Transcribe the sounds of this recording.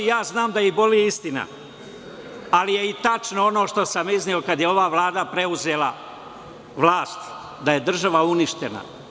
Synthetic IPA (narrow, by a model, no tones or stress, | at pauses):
jaːznaːmd̪ajibo̞liist̪ina̰ | alije̞it̪at͡ʃnoono̞ːʃt̪o̞samiznio̞kad̪jeo̞ʋaːʋlˠaːd̪apɾe̞uze̞ːlˠa | ʋlˠaːst̪ | d̪aje̞d̪r̩ʒaʋauniʃt̪ena̰